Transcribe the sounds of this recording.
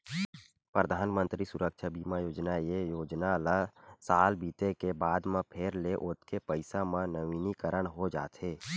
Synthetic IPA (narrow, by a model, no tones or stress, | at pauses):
pɾəd̪ʱaːnmə̃nt̪ɾisʊɾəkʃʰabiːmajoːd͡ʒnajejoːd͡ʒnalasaːlbiːt̪ekebaːd̪mãpʰeːɾleʔʊt̪kepəɪsamãnəʋinikəɾəɽ̃ɦod͡ʒa̰ːt̪ɦeː